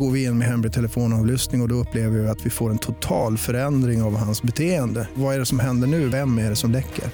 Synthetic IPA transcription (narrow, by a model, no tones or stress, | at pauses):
ɡoːɾvɪɪnːmɛɦɛmɾɪt̪ʰɛləfoːnɑːvlʏst̪nɪŋɔd̪ɔɵpːleːvəɾvɪɪat̪vɪfoːɾɛnt̪ʰʊt̪ʰɑːlfœɾɛnd̪ɾɪŋavhansbɛt̪ʰeːənd̪əvaæɖɛsɔmɦɛnd̪əɳʉ̟ːvɛmːæɖɛsɔmlɛkːə̰ɾ